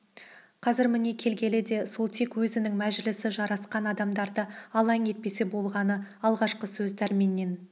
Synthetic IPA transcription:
qʰɑzɪɾmɪne̞kʲʰe̞lɡʲe̞lɪd̪e̞so̞lˠt̪ʰe̞kwɵzɪnɪŋmæʒɪlɪsɪʒɑɾɑsqɑnɑd̪ɑmd̪ɑɾd̪əɑlˠɑŋe̞t̪̚pe̞se̞bo̞lˠʁɑnəɑlˠʁɑʃqəsɵzd̪ʰæɾmenːe̞n

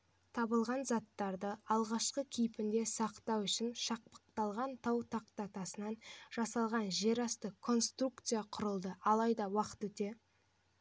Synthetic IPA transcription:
t̪ʰɑbəlˠʁɑnzɑt̪ːɑɾd̪əɑlˠʁɑʃqəkʲʰejpɪnd̪e̞sɑqt̪ɑwʏʃɪnʃɑq̚pə̥q̚t̪ɑlˠʁɑnt̪ʰɑwt̪ʰɑqt̪ɑt̪ɑsənɑnʒ̥ɑsɑlˠʁɑnʒe̞ɾɑst̪əkʰo̞nst̪rukt̪sɨjaqʰʊɾəlˠd̪əɑlˠɑjd̪ɑwɑqə̥t̪wɵt̪e̞

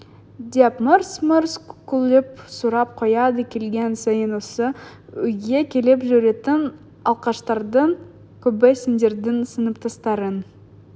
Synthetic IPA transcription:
d̪iepməɾsməɾskulʲˠɪpsuɾɑp̚qʰojɑd̪əkʲʰe̞lɡʲensɑjənwosəʏjɡʲekʲʰe̞lepʒʏɾe̞t̪ɪn | ɑlˠqɑʃt̪ɑɾd̪əɴ | kʲʰɵbɪsɪnd̪e̞ɾd̪ɪŋsənəp̚t̪ʰɑst̪ɑɾən

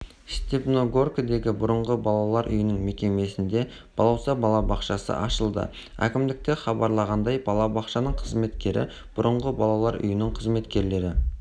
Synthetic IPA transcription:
st̪epnoɡorkd̪e̞ɡʲɪbʊɾəɴʁəbɑlˠɑlˠɑɾʔʏ̰jɪnɪŋme̞kʲe̞me̞sɪnd̪e̞ | b̥ɑlˠɑwsɑbɑlˠɑbɑqʃɑsə̰ʔɑʃəlˠd̪ə̰ | æ̰kʲɪmd̪ɪk̚t̪e̞χɑbɑɾlˠɑʁɑnd̪ɑjbɑlˠɑbɑqʃɑnəɴqʰəzme̞t̪kʲe̞ɾɪ̰ | b̥ʊɾʔəɴʁəbɑlˠɑlˠɑɾʏ̰jɪnɪɴqʰəzme̞t̪kʲe̞ɾle̞ɾɪ

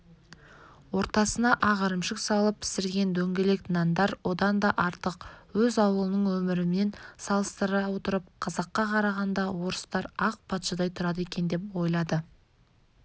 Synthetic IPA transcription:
wo̞ɾt̪ɑsənɑʔɑʁɑɾəmʃɪksɑlˠəpːʰɪ̥sɪɾɡʲe̞nd̪ɵŋɡʲe̞le̞k̪nɑnd̪ɑɾwo̞d̪ɑnd̪ɑʔɑɾt̪əqwɵzɑwəlˠənəɴwɵmɪɾɪmne̞nsɑlˠəst̪əɾɑwo̞t̪əɾəp̚qʰɑzɑqːɑqʰɑɾɑʁɑnd̪ɑwo̞ɾəst̪ɑɾɑq̚pʰɑt̪ʃəd̪ɑjt̪ʰʊɾɑd̪əe̞kʲe̞nd̪e̞pwo̞jlˠɑd̪ə

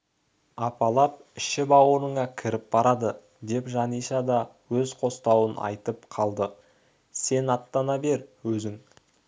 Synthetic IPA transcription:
ɑpɑlˠɑp̚ɪʃɪbɑwoɾəɴɑkʲʰɪɾɪp̚b̥ɑɾɑd̪ə | d̪e̞pʒɑnijʃɑd̪ɑ | wɵzqʰo̞st̪ɑwənʔɑ̰jt̪əpqʰɑlˠd̪ə | se̞nɑt̪ːɑnɑbe̞ɾwɵzɪŋ

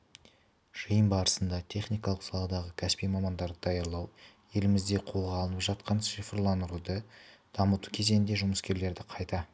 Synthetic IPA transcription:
ʒ̥əjəmbɑɾəsənd̪ɑt̪ʲʰe̞χnijkɑlˠəqsɑlˠɑd̪ɑʁəkʲʰæspijmɑmɑnd̪ɑɾd̪əd̪ɑjɑɾlˠɑw | je̞lɪmɪzd̪e̞qʰo̞lˠʁɑlˠənəpʒɑt̪̚qɑnʃifəɾlˠɑnd̪əɾud̪əd̪̥ɑmət̪ukʲʰe̞ze̞nnd̪e̞ʒʊməskʲe̞ɾle̞ɾd̪ɪqʰɑjt̪ɑ

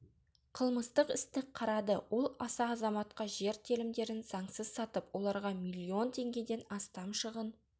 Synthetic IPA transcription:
qʰəlˠməst̪əqɪst̪ɪqʰːɑɾɑd̪əwʔo̞lˠɑsɑːzɑmɑt̪̚qɑʒe̞ɾt̪ʰelɪmd̪e̞ɾɪnzɑɴsəzsɑt̪əpwo̞lˠɑɾʁɑmilʲːio̞nt̪ʰe̞ŋɡʲe̞d̪e̞nɑst̪ɑmʃəʁən

